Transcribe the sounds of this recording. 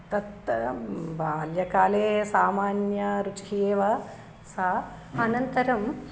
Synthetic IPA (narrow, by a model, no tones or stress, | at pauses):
t̪ɐt̪ː | baːljɐkaːleːsaːmaːnjɐɾut͡ʃkʰijeːʋɐ | sa | ɐnɐnt̪ɐɾɐm